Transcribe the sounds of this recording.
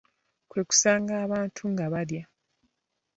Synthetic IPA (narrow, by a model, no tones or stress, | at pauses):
kwe̞ːku̥saːŋɡaːβaːntʰuŋɡaβaɾja